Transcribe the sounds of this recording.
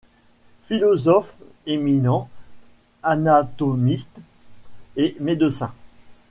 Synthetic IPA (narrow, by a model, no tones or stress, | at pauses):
filɔzɔf | eminɑ̃ | anat̪ɔmist̪ | emed̪əsɛ̃